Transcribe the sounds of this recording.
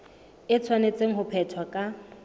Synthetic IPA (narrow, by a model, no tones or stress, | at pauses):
ɪt͡sʰwanet͡sʼeŋ̩ɦʊpʰɛtʰwakʼa